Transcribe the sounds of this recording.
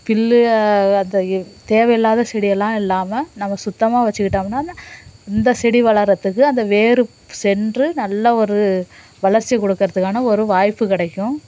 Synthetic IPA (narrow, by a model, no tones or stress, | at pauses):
fɪlːɐnd̪ɐt̪eːʋɐjɪlːaːðɐsɛɽɪjɛlːãːɪlːaːmɐnɐmːɐsʊt̪ːɐmaːʋɐt͡ʃːɯkɪʈːaːmɐnːaːnːɪnd̪ɐsɛɽiʋɐɭɐɾɐt̪ːɯkːɯɐnd̪ɐʋeːɾɯ | sɛndrɯnɐlːɐɔɾɯ | ʋɐɭɐɾt͡ʃːijɐkːɔɽɯkːɯɾɐðɯkːaːnɐɔɾɯʋaːjpːɯkɪɽɐkːʊ̃